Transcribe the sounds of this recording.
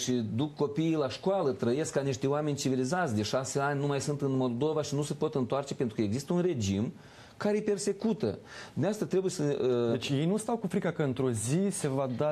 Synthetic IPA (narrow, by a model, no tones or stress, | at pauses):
ʃid̪ukːo̞pijːlaʃkoalət̪ɾəje̞skːaniʃt̪eoame̞nʲt͡ʃivilizat̪sʲd̪e̞ʃase̞anʲnumajsunt̪ɨnmo̞lˠd̪o̞vaʃinuse̞po̞t̪ɨnt̪oart͡ʃe̞pent̪ɾukəeɡzist̪əunre̞d͡ʒim | kaɾe̞jepe̞rse̞kut̪ə̰d̪uneast̪at̪ɾe̞buje̞səet͡ʃʲjejnust̪awkufɾikakəɨnt̪ɾo̞zise̞vad̪a